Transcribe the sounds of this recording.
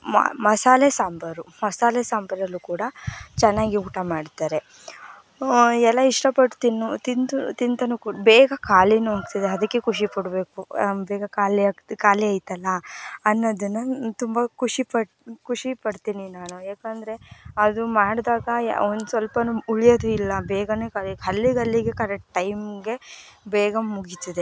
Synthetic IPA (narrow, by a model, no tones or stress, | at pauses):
ma̰mɐsaːlesaːmbɐɾumɐsaːlesaːmbɐɾɐlːukuːɽɐt͡ʃɛnːaːɡiuːʈɐmaːɽt̪aːɾe̞ | ɛlːɐiʂʈɐpɐɽt̪inːut̪int̪ut̪int̪ɐnukubɛːɡɐkaːlinuɦaːkt̪id̪eɐd̪ɐkːekʰuʂipɐɽbe̞ːkubɛːɡɐkaːliːt̪kaːliɐjt̪ɐlːɐːnːod̪ɐnːɐt̪umbɐkʰuʂipɐ | kʰuʂipɐɽt̪iːninaːnuaːkɐnd̪ɐɾe̞ɐd̪umaːɽd̪aːɡɐ̰ond̪usʋɐlpɐnuuɭijod̪uilːɐbɛːɡɐneːkaliɐlːiɡɐlːiɡe̞kɐɾɛk̚ʈʈːɐjmɡe̞bɛːɡɐmuɡit̪id̪e